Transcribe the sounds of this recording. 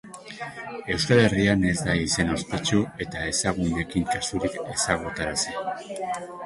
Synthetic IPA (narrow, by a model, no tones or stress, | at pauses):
e̞wskale̞riane̞zd̪aise̞no̞spe̞t͡ʃue̞t̪ae̞saɣ̞une̞kiŋkasuɾike̞saɣ̞ut̪aɾase